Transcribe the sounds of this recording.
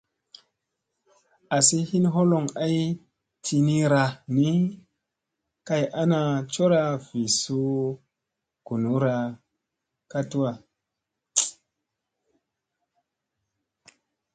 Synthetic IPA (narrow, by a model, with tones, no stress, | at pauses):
a˨si˦hi˦nɦo˦lo˨ŋa˦j | tʰi˧ni˦ɾa˧ni˦ | ka˦jʔa˦na˧t͡ʃo˦ɾa˧v̥i˨su˦ | ɡ̥u˨nu˨˦ɾa˧ | ka˦tu˦a˨